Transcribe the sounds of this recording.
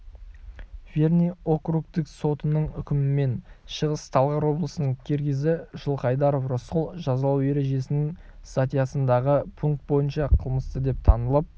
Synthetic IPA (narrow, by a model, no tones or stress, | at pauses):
vʲe̞rnijo̞krukt̪ɪkso̞t̪ənəɴʏkʲɪmɪme̞nʃəʁəst̪ʰɑlˠʁɑɾwo̞blˠəsənəɴkʲʰe̞ɾɡʲɪzɪʒəlˠqɑjd̪ɑɾo̞frosqʊlˠʒɑzɑlˠɑwe̞ɾe̞ʒe̞sɪnɪŋ | st̪at̪ijasənd̪ɑʁəpʰuŋk̚t̪̚bo̞jənʃɑqʰəlˠməst̪əd̪e̞p̚t̪ʰɑnəlˠəp̚